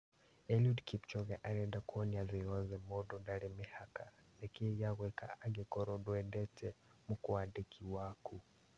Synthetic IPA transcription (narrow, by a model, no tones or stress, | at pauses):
ɛliudkipt͡ʃɔɣɛʔaɾɛndakɔniaðiɔzɛmɔdɔndaɾɛmɛhakalɛkɛjaɣwɛkaaɡɛkɔɾɔdɔɛndɛtʰɛmukɔandɛkʰiwaku